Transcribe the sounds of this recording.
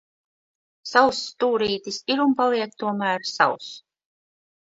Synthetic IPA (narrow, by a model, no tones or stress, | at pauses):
sawst̪uːɾiːt̪isiɾunpalˠiɛk̚t̪uɔmæːɾsa̰ws